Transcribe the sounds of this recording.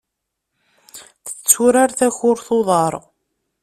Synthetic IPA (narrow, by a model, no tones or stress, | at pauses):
θə̥t͡sːuɾaɾθæçʊɾθoðˤɑɾˤ